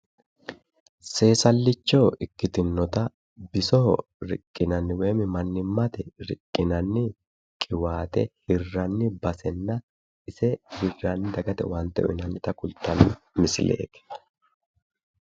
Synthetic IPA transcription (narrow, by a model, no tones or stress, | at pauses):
se̞ːsɐlːɪt͡ʃːoːʔɪkːɪt̪ɪnːɔt̪ɐ | bɪsoː | ɾɪkʼːɪnɐnːɪwe̞ːmɪmɐnːɪmːɐt̪ɛɾɪkʼːɪnɐnːɪ | kʼɪwaːt̪ɛhɪrːɐnːɪbɐsɛnːɐ | ɪsɛhɪrːanːɪd̪ɐɡɐt̪ɛ̰waːnt̪ɛ̰ʔɔ̰ʔɪnɐnːɪt̪ɐkʊlt̪ɐnːɪ | mɪsɪlḛːk̪ɛ̥